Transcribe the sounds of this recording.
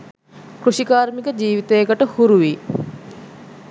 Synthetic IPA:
kruʃikaːrmikəd͡ʒiːʋit̪ejəkəʈəhuɾuʋi

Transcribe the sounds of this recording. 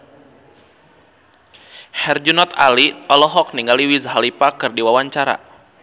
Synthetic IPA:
hɛrd͡ʒunɔt̪a̰liɔlɔɦɔk̚niŋɡaliwizɦalipakɨrdiwawaɲt͡ʃaɾa̰

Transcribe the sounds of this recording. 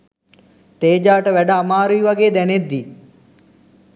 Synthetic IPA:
t̪eːd͡ʒaːʈəʋæɖəamaːɾuiʋaɡeːd̪ɛned̪ːi

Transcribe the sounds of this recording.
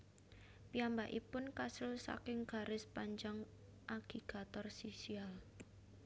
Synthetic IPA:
piambaʔipʊnkasʊlsa̰kɪŋɡ̥a̤ɾɪspaɲd͡ʒaŋ | ʔaɡ̥iɡ̥a̤t̪ɔrsisial

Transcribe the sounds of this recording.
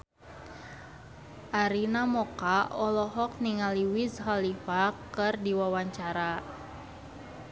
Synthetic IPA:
ʔaɾinamɔkaɔlɔɦɔk̚niŋaliwisɦalifakɨrdiwawaɲt͡ʃaɾa

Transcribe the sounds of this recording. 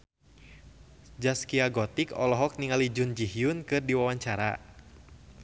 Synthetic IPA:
d͡ʒaskiaɡɔt̪ikɔlɔɦɔk̚niŋalid͡ʒund͡ʒiɦiʊnkɨrdiwawaɲt͡ʃaɾa̰

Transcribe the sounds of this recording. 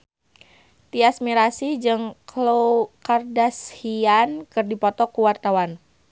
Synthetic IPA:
t̪iasmiɾasid͡ʒɨŋklokardashiankɨrdipɔt̪ɔkuwart̪awan

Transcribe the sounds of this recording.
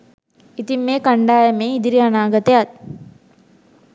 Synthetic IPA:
it̪imːeːkaɳɖaːjəmeːid̪iɾianaːɡɐt̪ejat̪̚

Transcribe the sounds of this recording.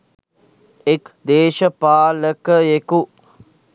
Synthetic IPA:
ekd̪eːʃəpaːləkəjeku

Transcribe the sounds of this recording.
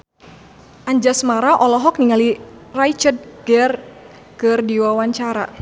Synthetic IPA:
ʔaɲd͡ʒasmaɾaʔɔlɔɦɔk̚niŋalirajt͡ʃəd̚ɡɛr | kɨrdiwawaɲt͡ʃaɾa̰

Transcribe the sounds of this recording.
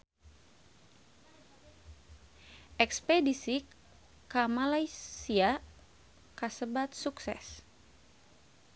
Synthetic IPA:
ʔɛkspɛdisi | kamalajsia | kasəbat̪̚suksɛ̰s

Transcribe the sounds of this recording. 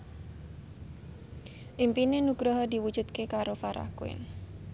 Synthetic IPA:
ʔimpinenuɡɾaɦadiwud͡ʒut̪kekaɾofaɾa̰kuɪ̰n

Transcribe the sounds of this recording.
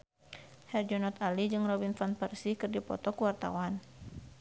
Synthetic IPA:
hɛrd͡ʒɔnɔt̪alid͡ʒɨŋrɔbinfanpərsikɨrdipɔ̰t̪ɔkuwart̪a̰wan

